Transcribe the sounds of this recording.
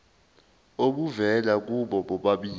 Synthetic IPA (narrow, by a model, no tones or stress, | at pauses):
oɓuvɛlak̬uɓɔɓɔɓaɓiː